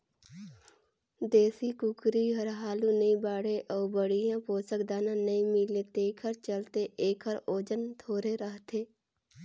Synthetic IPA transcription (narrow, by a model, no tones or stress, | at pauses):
d̪eːsikʊkɾiɦəɾɦaːlunəĩbaːɽeʔɔːɾbəɽijãpoːsəkd̪aːnãnəĩmɪlet̪eːkʰəɾt͡ʃəlt̪eʔeːkʰəɾoːd͡ʒənt̪ʰoːɾeɾəɦt̪ʰeː